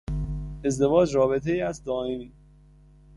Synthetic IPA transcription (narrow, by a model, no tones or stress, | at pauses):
e̞zd̪e̞vɒːd͡ʒɾɒːbe̞t̪ʰejiːæzd̪ɒːemiː